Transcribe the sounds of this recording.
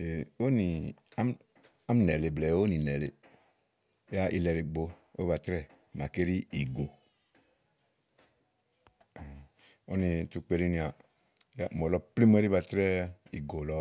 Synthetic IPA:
e˨o˦ni˨a˦m | a˦m˦nɛ˨le˨blɛ˨˦o˦ni˨nɛ˨le˨˦ | ja˦ʔi˧lɛ˧ɾi˨ɡ͡bo˧ | o˦ba˨tɾɛ˦˨ | ma˨ke˦ɾi˦i˨ɡo˨ | o˦ni˧tu˧k͡pe˧ɾi˦ni˨˧a˨˦ | a˦mɔ˨lɔ˧pli˦m˦e˦ɾi˦ba˧˨tɾɛ˦i˨ɡo˨lɔ˧

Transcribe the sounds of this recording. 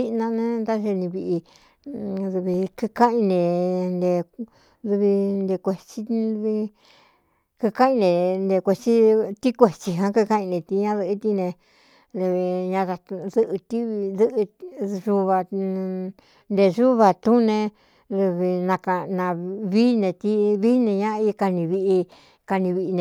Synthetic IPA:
i˦ʔnã˧nẽ˦d̪a˦ʒe˧nĩ˧βi˧ʔi˧ | ðu˧βi˧kɨ˧kã˦ʔĩ˧nẽ˨nd̪e˧ | ðu˧βi˧nd̪e˧kʷe˧t͡ʃi˧βi˧ | kɨ˧ka˦ĩ˧nẽ˨ne˧kʷe˧t͡ʃi˦t̪i˦kʷe˨t͡ʃi˧ɦã˧ku˧kã˦ʔĩ˧nẽ˨t̪i˧ɲã˦ðɨ˧ʔi˧t̪i˦nẽ˧ | ðe˧βi˧ɲã˧ða˧ðɨ˧ʔt̪i˦βðɨ˦ʔʒu˧βa˧ | nd̪e˧ʐu˦βa˧t̪ũ˦nẽ˧ | ðu˧βi˧nã˧ka˧nã˧βi˦nẽ˧t̪i˦βi˦nẽ˧ɲã˦˧i˦˧ka˧nĩ˧βi˧ʔi˧ | ka˧nĩ˧βi˧ʔi˧nẽ˧

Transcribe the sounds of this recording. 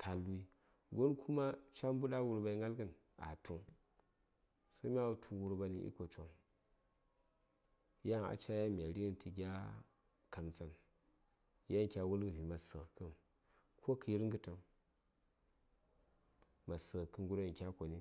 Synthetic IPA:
kʰa˨li˦ | ɡo˦nkʰu˦ma˦t͡ʃa˦m˦bu˦da˦wu˦˨ɾba˨i˦ŋɡa˦lɡɨ˦n | a̰˨tʰu˦ | so˦mʲ˦a˦˨tʰu˨wu˦ɾba˨ni˦ʔḭ˦ko˨t͡ʃo˦n | ja˦˨a̰˨t͡ʃa˦ja˦mʲ˨a˨ɾi˦i˦n˨tɨ˨ɡʲa˦ | ka˨mt͡sa˦n | ja˦˨kʲa˨wu˦lɡɨ˨vi˨ma˨sə˨kɨ˦n | kʰo˦kɨ˨ji˦ɾŋɡɨ˦tə˨m | ma˨sə˨kɨ˨ŋɡu˦ɾo˦˨kʲa˦ko˨ni˦

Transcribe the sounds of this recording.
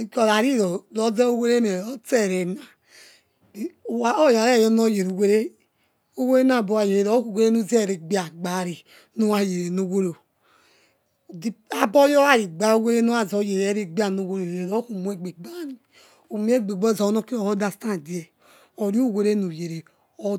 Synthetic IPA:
ko˨ɾa˨ɾi˦ɾo˨ɾo˦ze˦o˦we˦ɾe˦ne˨ɾo˦te˦˨ɾe˨na˨˦ | o˦ja˨ɾe˦˨jɔ˦no˦je˨ɾu˨we˦ɾe˦ | o˦we˦e˦n˦a˨bo˨˦a˨je˨e˨ɾo˦ku˦˨we˦ɾe˦nu˦ze˦˨ɾe˨ɡ͡bi˦a˨ɡ͡ba˨˦ɾi˨ | no˦wa˨je˨ɾe˨no˦wo˦ɾo˨ | i˦a˦bɔ˦jo˦a˦˨i˨ɡ͡ba˦o˦we˦ɾe˦no˦a˨zo˨˦je˨je˦ɾe˦ɡ͡bi˦a˨no˨wo˦ɾo˨e˨ɾo˦ku˨mu˦e˦ɡ͡be˨ɡ͡ba˦ɾi˨ | o˨mi˦e˦ɡ͡be˨ɡ͡bɔ˦˨zo˨˦no˦ki˦o˨o˦da˦˨sta˦˨di˨˦e˨ | o˨ɾu˦˨we˦ɾe˦nu˨je˨ɾe˨ | o˦

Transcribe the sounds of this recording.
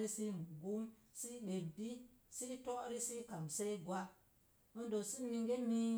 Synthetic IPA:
ɾi˦si˦˨ɡu˦msi˦ɗe˨bi˦si˦to˦ʔɾi˦si˦ka˨mse˦jɡwa˦ | mə˦ndo˨si˦mi˧ŋɡe˦mi˦

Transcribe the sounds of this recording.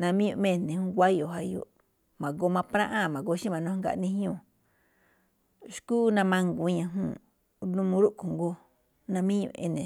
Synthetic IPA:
nã˧mĩ˦ũ˧ʔmẽ˦˧˨nĩ˨˧hũ˧˦ɡʷa˦jo˨ɦa˧jo̰˨ʔ | mã˨ɡo˧mã˧pɾã˦ʔã˦˨mã˨ɡo˧ʃĩ˦mã˧nũ˧˦ŋɡa̰˧ʔnĩ˧hɲũ˧˨ | ʃkuː˦nã˧mã˧ŋɡu˧ɲã˧ɦũ˧˨ | nũ˧mũ˧˦ɾu˦ʔku˨ŋɡo˧ | nã˧mĩ˦ɲṵ̃˧ḛ˧nẽ˨

